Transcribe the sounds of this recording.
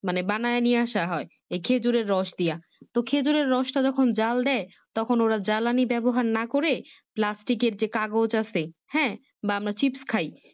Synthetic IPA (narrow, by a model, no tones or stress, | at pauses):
manebanaenieaʃaɦɔe | ekʰed͡ʑuɾeɾːɔʃd̪ija | t̪okʰed͡ʑuɾeɾːɔʃʈad͡ʑɔkʰond͡ʑald̪ɛe | t̪ɔkʰonoɾad͡ʑalanibɛboɦaɾnakoɾe | plasʈikeɾd͡ʑekaɡot͡ɕasehɛ̃ | baamɾat͡ɕipskʰaj